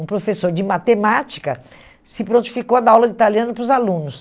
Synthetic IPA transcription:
ũpɾofesoɾd͡ʒɪmat̪emat͡ʃi̥kɐ̰ | sɪpɾõnt͡ʃi̥fikowad̪awlɐit̪aliɐ̃nʊpɾʊzalũnʊs

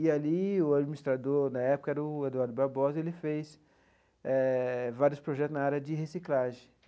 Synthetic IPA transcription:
ɪaliʊad͡ʒminist̪ɾad̪oɾnɐɛpʊ̥kɐɛɾɐʊed̪uaɾd̪ʊbaɾbɔzɐelɪfejs | ɛvaɾiʊspɾoʒɛt̪ʊznɐaɾjɐd͡ʒɪɦesiklaʒẽj̃

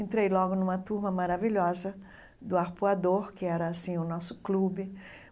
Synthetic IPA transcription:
ẽnt̪ɾejlɔɡʊnũmɐt̪uɾmɐmaɾaviʎɔzɐ | d̪ʊaɾpuad̪oɾkɪɛɾɐasĩʊnɔsʊ̥klubɪ

